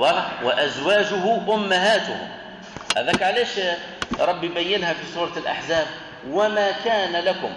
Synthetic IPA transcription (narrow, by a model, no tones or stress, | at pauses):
ɑlwaʔazwaːd͡ʒʊɦʊʔʊmːaɦaːt̪ʊhʊ̰m | ʔæ̰ðækʕaleːʃ | ɾˤɑbːibajːɪnhæfisˤuːɾˤɑlʔa̰ħzaːb̚ | wamaːkaːnalakʊm